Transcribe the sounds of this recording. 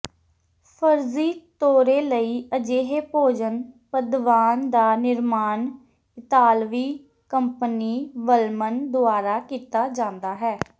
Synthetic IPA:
pʰəɾziːt̪oːɾeːləiːəd͡ʒeːɦeːpoːd͡ʒənpəd̪ʋaːnd̪aːnɪɾmaːn | ɪt̪aːlʋiː | kəmpəniːʋəlmənd̪ʊaːɾaːkiːt̪aːd͡ʒãːnd̪aːɦɛː

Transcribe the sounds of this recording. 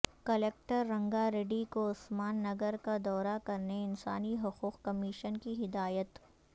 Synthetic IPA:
kɐleːk̚ʈəɾːɐ̃ŋɡaɾeːɖikoʊsmaːnːɐɡəɾkad̪ɔːɾakɐɾneɪnsaːniɦʊquːqkɐmiːʃənkiɦɪd̪aːjət̪

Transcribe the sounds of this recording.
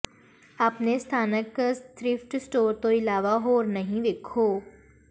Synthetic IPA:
ɐpnest̪ʰaːnəkt̪ɾɪfʈsʈoːɾt̪oɪlaːʋaɦoːɾnɐɦĩʋeːkʰoː

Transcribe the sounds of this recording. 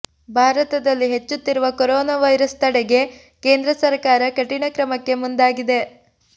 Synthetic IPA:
bʱaːɾɐt̪ɐd̪ɐlːiɦe̞t͡ʃːut̪ːiɾuʋɐkoɾɔːnaʋɐjɾɐst̪ɐɽeɡe̞ | ke̞ːnd̪ɾɐsɐɾkaːɾɐkɐʈiɳɐkɾɐmɐkːe̞mund̪aːɡid̪e̞

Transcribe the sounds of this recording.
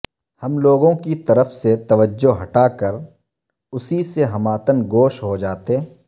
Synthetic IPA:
hɐmloːɡõkit̪ɐɾəfset̪ɐʋəd͡ʒːoɦɐʈakəɾ | ʊsiseɦɐmaːt̪ənɡoːʃɦod͡ʒaːt̪e

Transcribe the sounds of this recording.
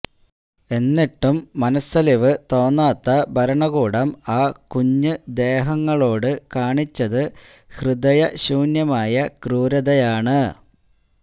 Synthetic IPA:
e̞nːiʈːumːɐnɐsɐliʋɨt̪o̞ːnːaːt̪ːɐbʱɐɾɐɳɐɣuːɽɐmaːkuɲːɨd̪e̞ːɦɐŋːɐɭo̞ːɽɨkaːɳit͡ɕːɐðɨ | hrɨd̪ɐjɐɕuːnjɐmaːjɐkruːɾɐðɐjaːɳɨ

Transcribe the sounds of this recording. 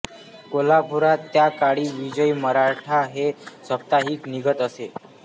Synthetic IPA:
kolabʱuɾat̪ːjakaɽiːʋid͡ʑəjməɾaʈʰaɦesəp̚t̪aɦiːkniɡət̪əse

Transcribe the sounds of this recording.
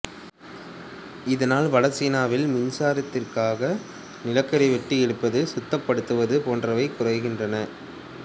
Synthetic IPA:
ɪðɐnaːlʋɐlɐsiːnaːʋɪlmʊɲsaːɾɐt̪ːɪrkaːɣɐ | nɪlɐkːɐɾɐʋɛʈːiɛɽɯpːɐðɯsʊt̪ːɐpːɐɽɯt̪ːɯʋɐðɯpoːndrɐʋɐɪkːʊrɐɪɣɪndrɐnɐ

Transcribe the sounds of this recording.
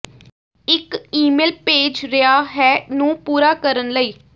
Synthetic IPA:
ɪkiːmeːlpeːd͡ʒɾɪaːɦɛːnũːpuːɾaːkəɾənləiː

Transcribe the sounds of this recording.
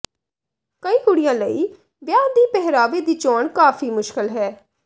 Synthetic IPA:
kəĩːɦʊɽɪjãːləiː | ʋjaːd̪iːpɛɦɾaːʋeːd̪iːt͡ʃoːɳkaːfʰiːmʊʃkɪlɦɛː

